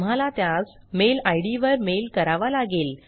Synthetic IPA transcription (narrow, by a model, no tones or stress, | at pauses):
m̤alat̪jas | melajɽiʋəɾmelkəɾaʋalaɡel